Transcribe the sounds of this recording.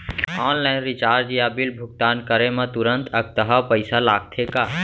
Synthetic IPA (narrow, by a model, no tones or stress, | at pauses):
ɔːnlaɪnɾɪt͡ʃaːɾd͡ʒijabilbʱʊk̚t̪aːnkəɾemẽt̪ʊɾə̃nt̪ʰək̚t̪əɦəpəɪsalaːɡ̚t̪ʰeka